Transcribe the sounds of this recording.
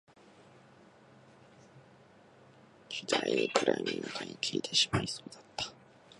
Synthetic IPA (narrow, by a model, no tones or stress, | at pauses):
d͡ʑɨd̪aiikɯ̟ɾʔamʲinakaɲʲikʲiit̪ʰeɕi̥maɾʲiso̞ːd̪̥ḁt̪ːḁ